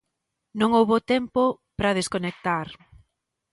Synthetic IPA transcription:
nõŋowβot̪ɛmpo | pɾɐð̞eskonek̚t̪aɾ

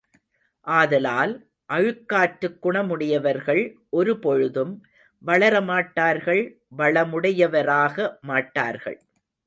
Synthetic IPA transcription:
ʔaːðɐlaːl | ʔɐɻɯkːaːʈɾɯkːʊɳɐmʊɽɪjɐʋɐɾɣɐɭʔɔɾɯpɔɻɯðɯm | ʋɐɭɐɾɐmaːʈːaːɾɣɐɭ | ʋɐɭɐmʊɽɐjɐʋɐɾaːɣɐmaːʈːaːɾɣɐ̰ɭ

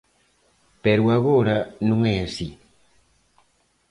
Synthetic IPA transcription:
peɾuaɣoɾanũŋɛasi

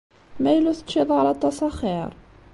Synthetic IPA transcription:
mæjluθə̥ʃiðˤʕlat̪ˤːɑsˤɑχiɾˤ

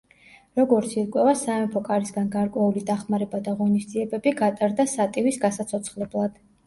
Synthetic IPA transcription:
ɾɔɡɔɾt̪sʰiɾkʼwɛvasaɛmpʰɔkʼaɾisɡanɡaɾkʼwɛulid̪aχmaɾɛbad̪aʁɔnisd̪ziɛbɛbiɡat̪ʼaɾd̪asat̪ʼivisɡasat̪sʰɔt̪sʰχlɛblˠad̪̥

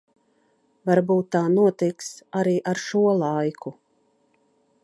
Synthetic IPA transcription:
vaɾbuːt̪ːaːnuɔt̪iksaɾiːʔaɾʃuɔlˠajkʰu

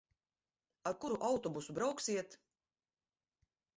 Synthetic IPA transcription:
aɾkuɾuʔawt̪ɔbusubɾawksiɛt̪

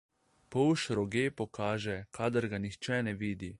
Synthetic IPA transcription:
pɔwʃɾɔɡeːpɔkaːʒɛkʰaːd̪əɾɡanixt͡ʃɛnɛʋiːd̪i

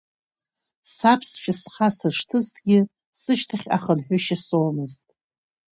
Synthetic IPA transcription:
sapʰsʃasχasɨʂtʰɨztʰʼɡʲɪ | sɨʃtʰaχʲa̰χənħʷᶣaʃasowmɨztʼ

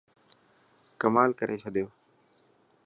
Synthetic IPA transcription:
kəmaːlkəɾʔeːt͡ʃʰəɗ̪ɪjoː

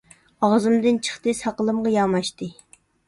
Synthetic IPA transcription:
ɑʁzɨmd̪ɨnt͡ʃʰə̥χt̪ɨsɑqəlˠɨmʁɑjɑmɑʃt̪ɨ

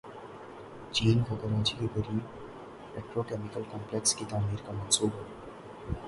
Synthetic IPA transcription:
t͡ʃiːnɦɐɡɐɾaːt͡ʃikeɡəɾiː | peːʈɾokeːmɪkəlkɔ̃ːmplekskit̪aːmiːɾkamɐ̃nsuːbɦɛ

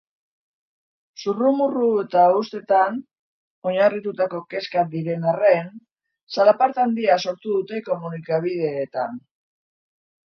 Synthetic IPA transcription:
surumurue̞t̪aust̪e̞t̪an | o̞ɲarit̪ut̪ako̞ke̞skad̪iɾe̞nare̞n | salapaɾt̪and̪iaso̞ɾt̪uðut̪e̞ko̞munikaβ̞ið̞e̞ːt̪a̰n

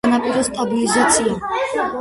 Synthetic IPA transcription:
napʼiɾɛst̪ʼabilizat̪sʰia

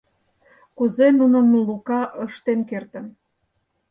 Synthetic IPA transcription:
kuzenunə̆mlukɑʔəʃt̪enkert̪ə̆n

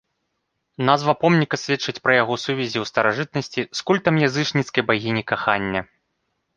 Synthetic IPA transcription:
nazvɐpɔmnʲikɐsʲvʲɛt͡ʂɨt͡sʲpɾɐjaɣɔsuvʲɛzʲiwst̪ɐɾaʐɨt̪̚nɐsʲt͡sʲiskulʲt̪ɐmjazɨt͡ʂnʲit̪skɐjbaɣʲinʲikaxanʲːɐ

